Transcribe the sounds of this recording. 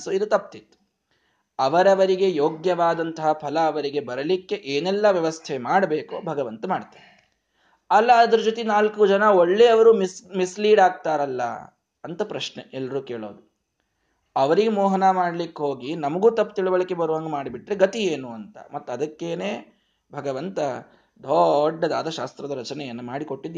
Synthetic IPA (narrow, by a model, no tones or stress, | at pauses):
soːid̪ut̪ɐp̚ːt̪it̪ːu̥ | ɐʋɐɾɐʋɐɾiɡe̞joːɡjɐʋaːd̪ɐnt̪ɐɦɐpʰɐlɐːʋɐɾiɡe̞bɐɾɐlikːe̞ʔeːnɛlːɐʋjɐʋɐst̪ʰemaːɽɐbeːko̰bʱɐɡɐʋɐnt̪ɐmaːɽt̪aːɾ | ɐlːɐːd̪ɐɾud͡ʒoːt̪inaːlkud͡ʒɐnɐoɭːeɐʋɐɾuːmmisliːɽaːɡ̚t̪aːɾɐlːɐ̰ | ɐnt̪ɐpɾɐʃneɛlːɐɾuːke̞ːɭoːd̪u | ɐʋɐɾiɡemɔːɦɐnamaːɽlikːɦoːɡinɐmɐɡuːt̪ɐpːt̪iɭuʋɐɭɐkːebɐɾuʋaːŋɡɐmaːɽibiʈɾe̞ɡɐt̪ieːnuɐnt̪ɐ̰mɐt̪ːuɐd̪ɐkːe̞ːneː | bʱɐɡɐʋɐnt̪ɐ | d̪ʱɔɖːɐd̪a̰ːd̪ʱɐʃaːst̪ɾɐd̪ɐɾɐt͡ʃɐnɛjɐnːɐmaːɽiko̞ʈːid̪